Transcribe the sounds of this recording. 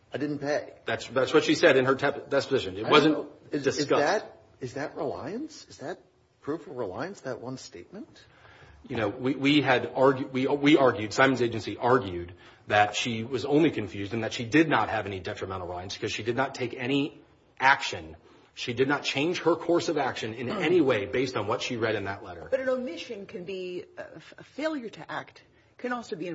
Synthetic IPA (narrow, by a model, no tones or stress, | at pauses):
aɪdɪdⁿn̩pʰeɪðætsðætswʌtʃisɛɾɨ̃nə˞tʰɛd̥ɛspɨzɪʃɨ̃nɨt̚wʌzɨ̃nd̥ɨskʌst̚ | ɨzðɨʔ̚ɹɪla̰ɪɨ̃nsɨzðɨt̚ | pʰɹ̥ufʌvɹɪla̰ɪɨ̃nsðɨʔ̚wʌ̃nsteɪt̚mɨ̃n̩t | jɨñoʊwiwiɨɾɑɹɡjwiwiɑɹɡjʉd̥sãɪ̃mɨnzeɪd͡ʒɨ̃nsiʔɑɹɡjʉd̪̚ | ðɨtʃiwʌzõʊ̃nlikʰɨ̃ɱfjʉzdɨ̃nðɨtʃidɪdⁿnə̰t̚hɨvɛnidɛtɹ̥əmɛ̃ɾ̃l̩ˠɹɪlaɪ̃nsb̥kʰʌz̥ʃidɨdⁿnətʰeɪkɛɾ̃i | ʔækʃɨ̃n | ʃidɨdⁿnət̚t͡ʃʰẽɪ̃nʒ̥hə˞kʰɔɹsʌvækʃɨ̃nɪ̃nɛɾ̃iweɪbeɪstn̩wʌtʃiɹɛɾɨ̃nðɨtˡlɛɾə̰˞b̥ʌɾɨ̃nəmɪʃɨ̃nkʰɨ̃nbi | əfeɪlˠjə˞ɾɨʔæk̚t̚ | kʰɨ̃nɔlˠsoʊbiɨ̃